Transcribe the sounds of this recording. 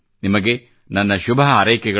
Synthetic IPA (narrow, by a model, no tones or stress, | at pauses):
nimɐɡe̞ | nɐnːɐʃubʱɐɦɐɐɾɐjkɛɡɐ